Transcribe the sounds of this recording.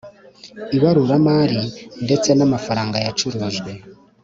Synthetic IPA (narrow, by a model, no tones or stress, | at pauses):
iβaɾuɾamaːɾinde̞t͡se̞namafaɾaːŋɡajat͡ʃuɾuʒɡwe̞